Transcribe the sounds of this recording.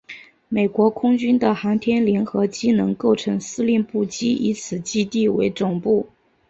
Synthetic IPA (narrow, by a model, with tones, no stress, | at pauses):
me˨˩ɪkwɔ˧˥kʰʊ˥ŋt͡ɕy˥nd̪ə˨xɑ˧˥ŋt̪ʰjɛ˥nljɛ˧˥nxɤ˧˥t͡ɕi˥nɤ˧˥ŋko˥˩ʊʈ͡ʂʰɤ˧˥ŋsɹ̩˥li˥˧npu˥˩t͡ɕi˥ʔḭ˧˥t͡sʰɹ̩˨˩t͡ɕi˥t̪i˥˩wḛ˧˥ɪt͡sʊ˨˩ŋpu˥˩